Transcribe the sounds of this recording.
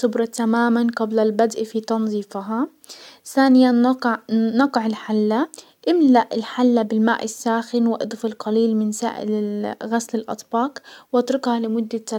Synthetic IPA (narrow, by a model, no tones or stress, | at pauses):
sʊbɾˤɑt̪amaːmanqɑblalbad̪ʔfit̪ɑnzˤiːfɦa | θaːnɪjanː | ɑqʕɪlħalːa | ʔɪmlaʔɪlħalːabɪlmaːʔɪsːaːxɪnwɪʔɑ̰d̪ˤfɪlqɑliːlmɪnsa̰ːʔɪ̰lɪɣaslɪlʔɑ̰t̪ˤbɑːqwʔɑt̪ɾɪqhɑlɪmʊd̪ːat̪ːa